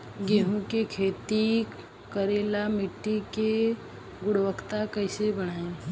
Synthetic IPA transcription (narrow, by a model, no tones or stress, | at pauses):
ɡeɦũkekʰeːt̪i | kəɾeːlamɪʈːike | ɡʊɽʋəkt̪akəɪsebəɽ̃aːẽ